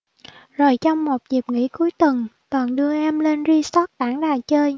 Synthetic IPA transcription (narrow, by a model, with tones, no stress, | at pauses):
zo˨˩jt͡ɕɔ˧wŋ͡mmo˨˩t̚zi˨˩p̚ŋḭ˧˥ku˨˦jt̪ɨ˨˩ŋt̪wə˨˩nɗɨ˧əʔɛ˧mle˧nzi˧sɔ˦˥t̚ɗ̪aː˧˩˥ŋɗaː˨˩jt͡ɕəː˧j